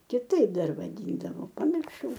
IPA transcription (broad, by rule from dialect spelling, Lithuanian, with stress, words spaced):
kʲɪˈtɐɪp ˈdɐr ʋɐˈdʲiːndɐʋoː pɐmʲɪrˈʃɐʊ